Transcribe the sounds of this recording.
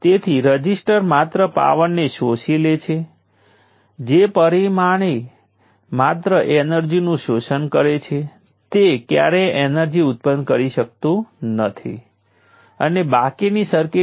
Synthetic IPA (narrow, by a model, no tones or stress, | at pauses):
t̪et̪ʰiɾəd͡ʒisʈəɾmat̪ɾəpa̰ʋəɳːeʃoʃilet͡ʃʰe | d͡ʒepəɾimaɽ̃e | mat̪ɾəʔenəɾd͡ʒinũʃoʃənkəɾet͡ʃʰe | t̪ekja̰ɾeenəɾd͡ʒiʊt̪̚pənkəɾiʃək̚t̪ũnət̪ʰḭ | ənebakinisəɾke